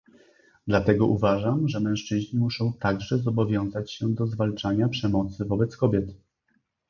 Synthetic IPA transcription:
d̪lat̪ɛɡɔʔuvaʐamʐɛmɛ̃w̃ʂt͡ʂɘʑɲimuʂɔ̃w̃t̪aɡʐɛzɔbɔvʲjɔ̃w̃zat͡ɕɕɛd̪ɔzvalt͡ʂaɲapʂɛmɔt̪sɘvɔbɛt̪skɔbʲjɛt̪

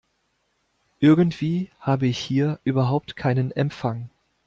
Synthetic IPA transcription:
ʔɪɐɡn̩tv̥iːhaːbəɪçhiːɐʔyːbɐɦaʊp̚tkʰaɪnənɛmfaŋ

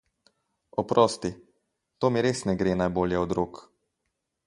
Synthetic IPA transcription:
ɔpɾɔːst̪i | t̪oːmiɾesnɛɡɾeːnajboːljɛɔd̪ɾuːk

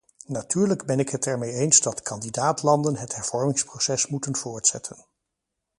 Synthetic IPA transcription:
natyːɹləɡbɛnɪkɦətɛɹmejejnzdɑtkʰɑndidaːtlɑndənɦətɦɛɹv̥ɔɹmɪŋsprosɛsmutənvʊːɹtsɛ̰tʰən

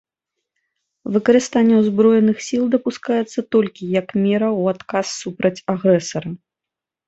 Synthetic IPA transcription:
vɨkɐɾɨst̪anʲːɛwzbɾɔjɛnɨxsʲilˠd̪ɐpuskajɛt̪sːɐt̪ɔlʲkʲijɐkmʲɛɾɐuat̪kasːupɾɐt͡sʲaɣɾɛsɐɾɐ

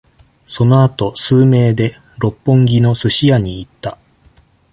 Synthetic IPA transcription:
so̞no̞at̪o̞sɨːme̞ːd̪e̞ | ɾo̞pːõ̞ŋɡʲino̞sɨɕijaɲ̟iːt̪ːa

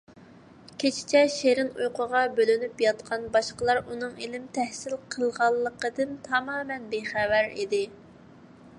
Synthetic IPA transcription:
kʲʰet͡ʃʰɪ̥t͡ʃʰɛʃeɾɪnujqʰəʁɑbølynypjɑt̪qʰɑnbɑʃqəlˠɑɾunɨŋelɪmt̪ʰɛhsɪlqʰəlˠʁɑlˠːəqəd̪ɨnt̪ʰɑmɑːmɛnbeχɛvæɾḭd̪ɪ

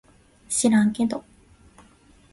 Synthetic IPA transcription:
ɕiɾãŋked̪o

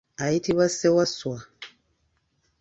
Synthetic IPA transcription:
aitiβasewaswa

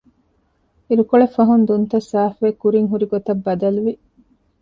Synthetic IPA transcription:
iɾukoɭefɐɦund̪unt̪ɐsaːfʋekuɾiŋɦuɾiɡot̪ɐbːɐd̪ɐluʋi

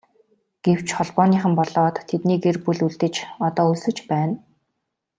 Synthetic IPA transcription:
ɡ̥ew̥t͡ɕχɔɮpɔːniːχə̆mpɔɮɔːt̪ʰːet̪niːkerpuɮuɮt̪ɘ̆t͡ɕɔt̪ɔːɵsɵ̆t͡ɕpæːn

